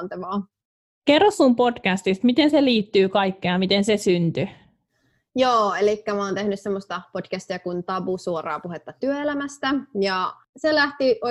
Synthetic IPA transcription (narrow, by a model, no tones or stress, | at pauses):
nt̪emɑː | kerːosːumpo̞dkæst̪ist̪mit̪enseliːt̪ːyːkɑjkːeɑmit̪ensesynt̪y | joːelikːæmæoːnt̪ehnyssemːost̪ɑpod̥kæst̪iækunt̪ɑbusuorɑːpuhet̪ːɑt̪yøelæmæst̪æjɑ | selæht̪io